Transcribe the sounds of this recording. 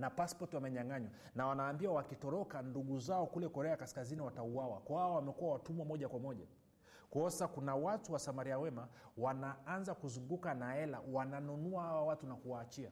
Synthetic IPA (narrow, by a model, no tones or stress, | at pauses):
napaspɔtwamɛɲaŋaɲwa | nawanaːmbiwawakitɔɾɔkanduɠuzaɔkulɛkɔɾɛakaskaziniwatauawakɔhawawamɛkuawatumwamɔʄakwamɔʄa̰ | kɔsakunawatuwasamaɾiawɛma | wanaanzakuzuŋɡukanaɛla̰wananunuahawawatunakuwaːt͡ʃia